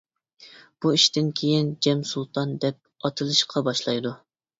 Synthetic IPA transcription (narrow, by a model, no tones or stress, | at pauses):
b̥uiʃt̪ɪnkʲʰejind͡ʒɛmsulˠt̪ʰɑnd̪ɛp̚ɑt̪ʰɨlˠɨʃqʰɑbɑʃlˠɑjd̪u